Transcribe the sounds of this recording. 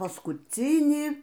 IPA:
pɐskʊˈt͡sʲiːnʲiː

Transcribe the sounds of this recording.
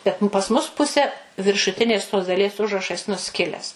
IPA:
ˈbʲɛt pɐs mʊs ˈpʊsʲɛ ʋʲɪrʃʊˈtʲɪnʲeːs toːs dɐˈlʲiɛs ˈʊʒrɐʃɐs nʊˈsʲkʲɪlʲɛs

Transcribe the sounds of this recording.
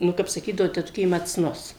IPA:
ˈnʊ kɐp sɐˈkʲiːdɐʋoː tʲɛˈtʊkʲeː mɐˈt͡snʊs

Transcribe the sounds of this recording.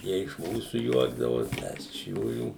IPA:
ˈjiɛ ɪʃ ˈmuːsʊ ˈjuɔɡdɐʋoːs ˈmʲɛs ɪʃ ˈjuːjuː

